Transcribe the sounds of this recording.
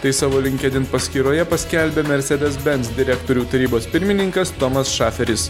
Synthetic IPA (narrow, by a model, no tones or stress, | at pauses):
t̪ɐɪsɑːʋoːlʲɪŋʲkʲɛd̪ʲɪnt̪pɐsʲkʲiːɾoːjɛpɐsʲkʲɛlʲbʲeːmʲɛɾʲsʲɛd̪ʲɛsbʲɛnt̪sd̪ʲɪɾʲæːkt̪oːɾʲuːt̪ɐɾʲiːboːspʲɪɾʲmʲɪnʲɪŋkɐst̪omɐsʃɑːfʲɛɾʲɪs